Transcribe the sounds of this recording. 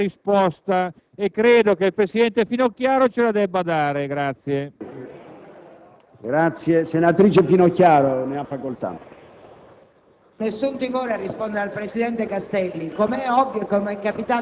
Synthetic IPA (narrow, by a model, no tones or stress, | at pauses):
ɾispɔst̪a | ekːɾeːd̪okeilpɾesid̪ɛnt̪efinokjaːɾot͡ʃelad̪ɛbːad̪aːɾeɡɾat̪sːje | ɡɾat̪sːjesenat̪ɾiːt͡ʃefinokjaːɾoneafːakolt̪a̰ | nesːunt̪imoːɾearːispond̪eɾealpɾesid̪ɛnt̪ekast̪ɛlːikomɛɔvːjokenɛkːapit̪aː